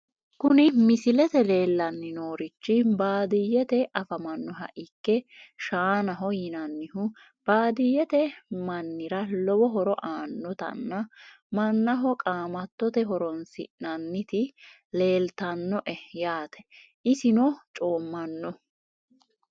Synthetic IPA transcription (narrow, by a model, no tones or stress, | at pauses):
kʊnɪmɪsɪlɛt̪ɛle̞ːlːɐnːɪnoːɾɪt͡ʃːɪbaːd̪ɪjːɛt̪ɛʔɐfɐmɐnːɔɦɐ̰ʔɪkːɛʃaːnɐɦɔjɪnɐnːɪɦʊ | b̥aːd̪ɪjːɛt̪ɛmɐnːɪɾɐlɔbɔɦɔɾɔʔaːnːɔt̪ɐ̰nːɐ | mɐnːɐɦɔkʼaːmɐt̪ːɔt̪ɛɦɔɾɔnsɪ̰nɐnːɪt̪ɪ | le̞ːlt̪ɐnːɔʔɛjaːt̪ʰɛ̥ʔɪsɪnɔt͡ʃʼo̞ːmːɐnːɔ